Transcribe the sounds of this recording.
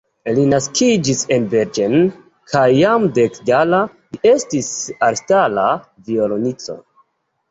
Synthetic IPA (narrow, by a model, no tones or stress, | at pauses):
linaskid͡ʒisenbeɾd͡ʒen | kʰajːamdekɡala | liʔe̞stisaɾstala | violonit͡so̞̰